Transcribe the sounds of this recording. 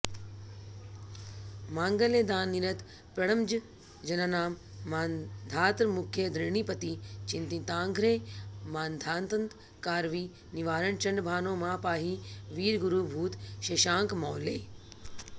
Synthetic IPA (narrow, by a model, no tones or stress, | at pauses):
mãːŋɡəled̪aːnːiɾɐt̪ | pɐɽəmd͡ʒ | d͡ʒɐnaːnaːmːaːnd̪ʱaːt̪ɾmʊkʰːjəd̪ɾɪɳipɐt̪it͡ɕɪ̃nt̪ĩːt̪ãːŋɡʱɾeːmaːnd̪ʱaːnt̪ənt̪ | kaːɾʋiː | nɪʋaːɾəɳt͡ɕɐɳɖbʱaːnõːmãːpaːɦiʋiːɾɡʊɾuːbʱuːt̪ʃeːʃãːŋkmɔːleː